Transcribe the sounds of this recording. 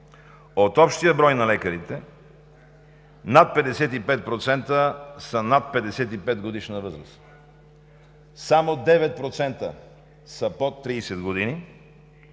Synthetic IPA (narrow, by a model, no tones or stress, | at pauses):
ot̪ɔpʃt̪ijəbɾɔjnɐlɛkəɾit̪ɛ | nat̪̚pɛd̪ɛsɛt̪ipɛt̪̚pɾot̪sɛnt̪əsɐnat̪̚pɛd̪ɛsɛt̪ipɛd̪ɡod̪iʃnəvɤzɾə̰s | samod̪ɛvɛt̪̚pɾot̪sɛnt̪ə̰ | səpot̪ːɾiːsɛd̪ɡod̪ini